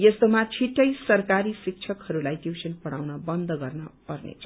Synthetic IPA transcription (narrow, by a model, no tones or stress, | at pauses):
jest̪omat͡sʰiʈːʌjsʌrkaɾisik̚t͡sʰʌkhʌɾulajtjuwsʌnpʌɽawnʌbʌnd̪ʱʌɡʌrnʌpʌrnḛt͡sʰʌ